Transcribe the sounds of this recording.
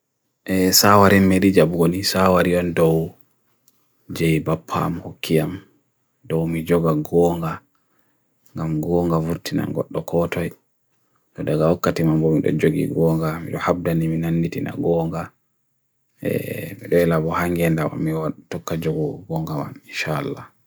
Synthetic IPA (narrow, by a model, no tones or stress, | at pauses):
ʔɛsawaɾimːɛɾid͡ʒabɡonisawaɾiɔndɔw | d͡ʒɛjbapʰːa̰mhokʰːijam | dɔwmid͡ʒɔɡaɡɔːŋɡa | ŋɡamɡɔŋɡavuɾtina̰ɡɔ̰ɗːɔkʰɔtɔj | tɔdaɡawakːatimambɔmiɗɔ̰d͡ʒoɡḭɡɔːŋɡamḭɗɔhab̚daniminanːitina̰ɡɔːŋɡa | ɛ̰mɛɗɔɛlabɔhaŋɡɛndama̰miwatɔkːad͡ʒoɡɔɡɔŋɡama̰ninʃaalːa